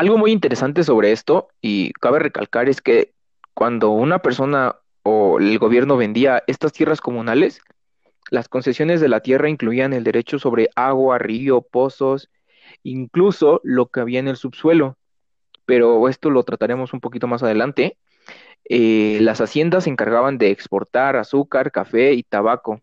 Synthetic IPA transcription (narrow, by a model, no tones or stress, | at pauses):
alɣo̞mujint̪e̞ɾe̞sant̪e̞s̬o̞β̞ɾe̞e̞st̪o̞ | ḭkaβe̞re̞ka̰lkaɾe̞ske̞ | kwand̪o̞unape̞ɾso̞na | oelɣo̞β̞je̞ɾno̞βe̞nd̪iaʔe̞st̪ast̪jerasko̞mũnale̞s | lasko̞nse̞sjo̞ne̞zðe̞lat̪je̞raiŋkluianeld̪e̞ɾe̞t͡ʃo̞so̞β̞ɾe̞ʔaɣwario̞po̞so̞s | iŋklusolo̞ke̞aβiaene̞lsuβswe̞lo̞ | pe̞ɾo̞e̞st̪o̞lo̞t̪ɾat̪aɾe̞mo̞sumpo̞kit̪o̞masað̞e̞lant̪e̞ | elasasje̞nd̪asːe̞ŋkaɾɣaβand̪e̞ːkspo̞ɾt̪aɾasukaɾkafe̞it̪aβako̞